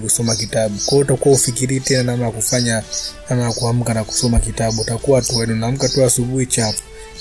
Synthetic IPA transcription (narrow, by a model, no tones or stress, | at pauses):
kusɔmakitaɓukwajɔutakuwaufikiɾiɛtɛnanamajakufaɲanamajakuam̩kanaku̥sɔmakitaɓuutakuwatuɛniunaːm̩katuasuɓuhit͡ʃapɔ̥